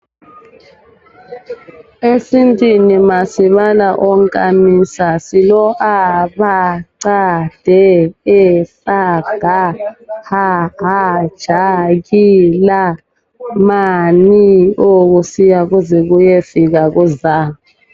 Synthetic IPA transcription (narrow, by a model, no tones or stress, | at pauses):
esintʼinimasiβalaʔɔŋkʼamisasilɔʔaβaǀad̥ʱɛɛsaɡ̥ʱahaɦad̥ʒ̥ʱaɣila | manioɣusijaɣuzɛɣujefiɣaɣuzaːmu